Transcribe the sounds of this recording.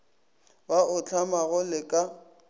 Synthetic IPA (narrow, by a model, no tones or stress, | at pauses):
baʊt͡ɬʰʼamaɣʊlɪkʼa